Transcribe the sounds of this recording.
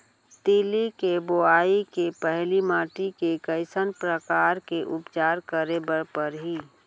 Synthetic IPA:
t̪iːlikeboaːikepɛɦlimaːʈikekəɪsənpɾəkaːɾkeʔʊpt͡ʃaːɾkəɾebəɾpəɾɦiː

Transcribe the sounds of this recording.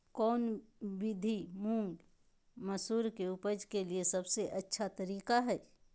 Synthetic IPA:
kɔːnwɪd̪ʱimũːɳɖ | mɐsuːɾkeʊpəd͡ʒkeliesɐbseʔɐtːʃʰat̪ɐɾiːkaɦɛː

